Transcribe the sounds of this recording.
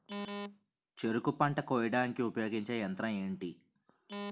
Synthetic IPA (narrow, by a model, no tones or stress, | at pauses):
t͡ʃeɾukupɐɳʈɐkɔjɖaːŋkiupɐjo̞ːɡiɲt͡ʃejɐnt̪ɾɐme̞ːɳʈi